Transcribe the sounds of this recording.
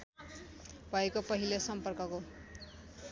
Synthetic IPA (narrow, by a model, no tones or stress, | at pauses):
bʱʌekopʌɦilosʌmpʌrkʌko